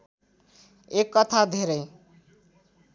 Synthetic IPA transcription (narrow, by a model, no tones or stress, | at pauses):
ekːʌt̪ʰad̪ʱeɾʌj